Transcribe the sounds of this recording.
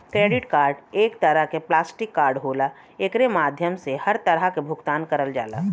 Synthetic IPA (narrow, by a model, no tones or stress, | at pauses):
kɾeːɖɪʈkaːɾɖeːkt̪əɾəɦkeplaːsʈɪkːaːɾɖɦoːla | ekɾemaːd̪ʱjəmsehɐɾt̪əɾəkebʱʊkt̪aːnkəɾəld͡ʒa̰ːla̰ː